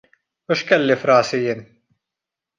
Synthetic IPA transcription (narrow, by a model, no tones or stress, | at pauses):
ʊʃkɛlːifɾɐːsijɪːn